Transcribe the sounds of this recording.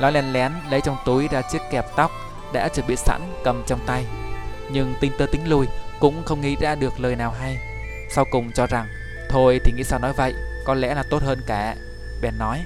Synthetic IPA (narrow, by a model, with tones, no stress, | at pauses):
lɔ˨˦jlɛ˧nlɛ˧˨˦nlə˨˦jt͡ɕɔ˧wŋ͡mt̪u˨˦jzaː˧t͡ɕɨ˦˥əkːɛ˨˩p̚t̪a˦˥wk͡p̚ | ɗa̰ː˧˥t͡ɕɨ˨˩ɓḭ˧˨sa̰˧˥nkə˨˩mt͡ɕɔ˧wŋ͡mt̪a˧jɲɨ˧ŋt̪i˧ŋ̟t̪əː˧t̪ï˨˦ŋ̟lu˧jkʊ̰˧˥ŋ͡mxə˧wŋ͡mŋḭ˧˥za̰ː˧ɗɨ˨˩ək̚ləː˨˩jnaː˨˩wɦa˧j | sa˧wkʊ˨˩ŋ͡mt͡ɕɔ˧za˨˩ŋ | t̪ʰo˧jt̪ʰi˨˩ŋḭ˧˥saː˧wnɔ˨˦jvə̰˧˨jkɔ˨˦lɛ̰˧˥laː˨˩t̪o˦˥t̚həː˧nkaː˧˩ | ɓɛ˨˩nːɔ˨˦j